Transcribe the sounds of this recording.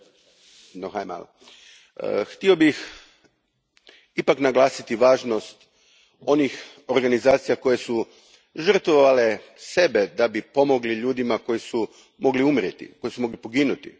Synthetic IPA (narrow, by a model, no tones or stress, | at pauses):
noxajma̰l | xt̪io̞bix | ipaknaɡlˠaːsit̪iʋaːʒno̞st̪ | o̞nix | o̞ɾɡanizaːt̪sijako̞je̞su | ʒr̩t̪ʋoʋale̞ | se̞be̞d̪abipo̞mo̞ɡliʎuːd̪imako̞jisu | mo̞ɡliumɾjet̪ḭko̞jisumo̞ɡlipo̞ɡinut̪ḭ